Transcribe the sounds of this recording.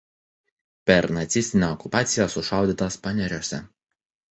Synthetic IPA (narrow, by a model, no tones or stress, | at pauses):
pʲɛɾnɐt̪sʲɪsʲt̪ʲɪnʲɛɔkʊpɑːt̪sʲɪjoːsʊʃɑˑʊd̪ʲiːt̪oːspɑnʲɛɾʲoːsʲɛ̰